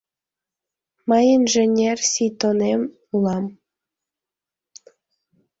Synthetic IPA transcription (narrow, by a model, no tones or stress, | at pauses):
mɑjinʒenʲersʲijt̪onem | ulˠɑm